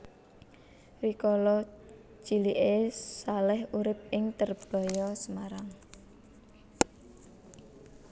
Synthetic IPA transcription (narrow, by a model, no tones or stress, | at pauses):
rikɔlɔ̥ | d͡ʒ̥i̤liʔesalɛhuɾɪp̚ɪŋt̪ərb̥a̤jɔsəmaɾaŋ